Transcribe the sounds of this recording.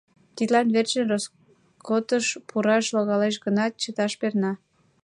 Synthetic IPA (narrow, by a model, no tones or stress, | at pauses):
t̪id̪t̪lɑnβert͡ɕənros | kot̪əʃpʰuɾɑʃloɣɑleʃ̬ɣənɑt̪̚t͡ɕət̪ɑʃpernɑ